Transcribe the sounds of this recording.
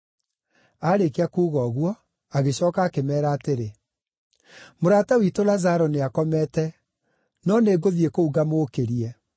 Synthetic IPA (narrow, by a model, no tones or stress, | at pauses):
aːɾekeakuːɣɔɣwɔ | aɣeɕɔːkaːkemɛːɾaːteɾe | moɾaːtawitolazaɾɔneakɔmɛtɛ | nɔneːɡoðiekouɣamoːkeɾiɛ